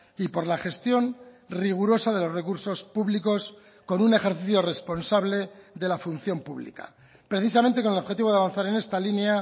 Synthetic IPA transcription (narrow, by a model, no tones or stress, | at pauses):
ipo̞ɾlaχe̞st̪jo̞n | riɣ̞uɾo̞saðe̞lo̞zre̞kuɾso̞spuβliko̞s | ko̞nune̞xe̞ɾθiθjore̞spo̞nsaβle̞ðe̞lafun̟θjo̞mpuβlḭka̰ | pɾe̞θis̬ament̪ekone̞loxe̞t̪iβaβanθaɾe̞ne̞st̪alinea